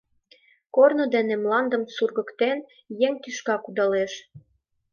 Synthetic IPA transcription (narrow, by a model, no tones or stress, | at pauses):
kornŏd̪enemlɑnd̪əmsurɣə̆kt̪en | jeŋt̪yʃkɑkud̪ɑleʃ